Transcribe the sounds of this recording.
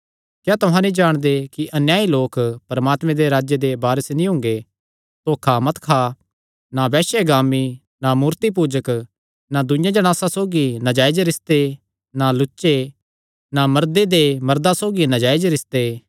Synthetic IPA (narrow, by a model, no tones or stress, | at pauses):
kjaːt̪ʊɦãnĩd͡ʒaːɽ̃d̪ekiʔɐnjaːiloːkpɐɾəmaːt̪mẽd̪eɾaːd͡ʒjed̪ebaːɾəsenĩɦʊ̃ŋɡe | t̪oːkʰamɐt̪kʰa | nabɛːʃeɡaːmi | namuːɾt̪ip̬uːd͡ʒək | nad̪ʊjãd͡ʒɐɽ̃aːsãsoːɡinɐd͡ʒaːed͡ʒɾɪst̪e | nalʊt͡ʃːʃe | namɐɾd̪ed̪emɐɾd̪asoːɡinɐd͡ʒaːed͡ʒɾɪst̪e